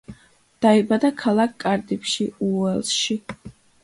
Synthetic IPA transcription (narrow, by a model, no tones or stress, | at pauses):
d̪̥aibad̪akʰalˠak̚ʰkʼːaɾd̪ipʃiuɛlˠʃi